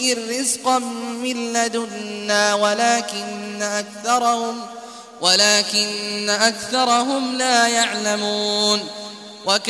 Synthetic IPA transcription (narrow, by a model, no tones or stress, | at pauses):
ʔɪrːɪzqɑmːɪlːad̪ʊnːaːwalaːkɪnːaʔakθɑɾˤɑhʊm | walaːkɪnːaʔakθɑɾˤɑɦʊmlaːjaʕlamuːn | wak